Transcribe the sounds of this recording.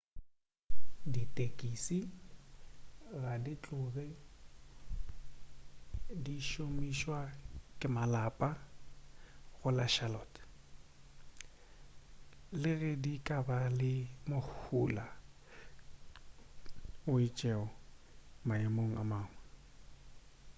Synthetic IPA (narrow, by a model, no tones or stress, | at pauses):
ditʼekʼisi | ɣadit͡ɬʼʊɣɪ | diʃomiʃwakʼɪmalapʼa | ɣʊlaʃalɔːt | lɪɣɛdikʼabalɪmok͡xʰula | ʊit͡ʃʼɛɔmaemoŋ̩a̰maːŋwɛ